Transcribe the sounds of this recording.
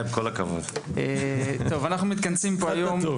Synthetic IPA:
bkolakavo̰d̪et̪o̞vanaχnumit̪̚kansimpoajom

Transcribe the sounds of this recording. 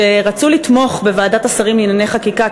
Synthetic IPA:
eʁat͡sulitmo̞χbe̞vaːdatasaʁimlinane̞jχakika

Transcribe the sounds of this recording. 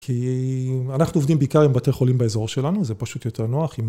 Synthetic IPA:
kʰi | anaχnuo̞vd̪imbeikaʁembateχo̞limbaezo̞ʁʃe̞lanuzepaʃut̪jo̞tʰe̞ʁnoaχim

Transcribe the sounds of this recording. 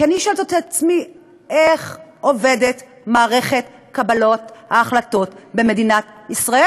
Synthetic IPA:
kaniʃolt̪at̪aat͡smi | eχovedet | maːʁe̞χet | kabalo̞t̪haːχlat̪o̞tbeme̞dinatisʁae

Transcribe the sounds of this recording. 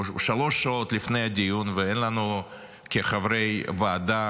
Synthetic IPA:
ʃalo̞ʃːaot̪lifnejad̪ijunveenlanu | keχavɾejvaːd̪a

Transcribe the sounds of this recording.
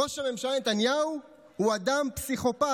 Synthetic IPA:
oʃame̞mʃalnet̪anjau | huad̪ampsiχo̞pa

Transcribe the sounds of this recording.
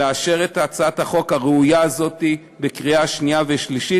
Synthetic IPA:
eaʃe̞ʁet̪aːt͡saathaχo̞khaʁeujaːzo̞t̪i | bekʁiaʃniaveʃliʃi

